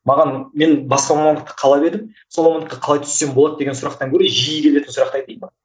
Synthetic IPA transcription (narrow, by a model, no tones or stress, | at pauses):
mɑʁɑnme̞nbɑsqɑmɑmɑnd̪əq̚t̪ə̥qʰɑlˠɑbe̞ɾd̪ɪm | solˠmwɑmɑnd̪əq̪ːɑqʰɑlˠɑjt̪ʰʏ̥sːembo̞lˠɑd̪əd̪e̞ɡʲesʊɾɑq̚t̪ɑŋkʲʰɵɾeʒijɪkʲe̞le̞t̪ɪnsʊɾɑq̚t̪ɑjd̪ejmɑ